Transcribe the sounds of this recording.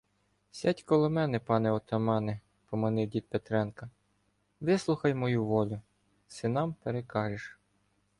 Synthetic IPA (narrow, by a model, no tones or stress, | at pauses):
sʲɑtʲkɔlˠɪmɛnɛpɑnɛɔt̪ɐmɑnɪ | pɔmɐnɪwdʲid̪̚pet̪ɾɛnkɐ | ʋɪslˠʊxɐjmɔjuʋɔlʲʊ | sɪnɑmpeɾekɑʒɪʃ